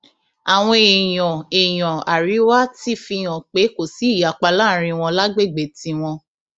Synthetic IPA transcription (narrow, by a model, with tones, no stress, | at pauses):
a˨w̃ɔ̃˧e˨j̃ɔ̃˨e˨j̃ɔ̃˨a˨ɾi˨˦wa˦ti˦fi˧j̃ɔ̃˨k͡pe˨˦ko˨si˨˦i˦˨ja˨k͡pa˧la˦ɾ̃ĩ˧w̃ɔ̃˧la˦ɡ͡be˦˨ɡ͡be˨tĩ˧˦w̃ɔ̃˧